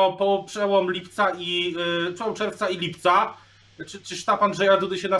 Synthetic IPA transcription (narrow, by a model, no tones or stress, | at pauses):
ɔpɔpʂɛwɔmlʲipt̪sait̪sɔwt͡ʂɛɾft̪sailʲipt̪sa | t͡ʂɘt͡ʂɘʂt̪apand̪ʐɛjad̪ud̪ɘɕɛna